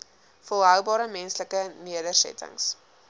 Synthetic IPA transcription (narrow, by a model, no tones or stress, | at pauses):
folˠɦœwbɑːɾəmɛnsləkəniədərsɛ̰tə̰ŋs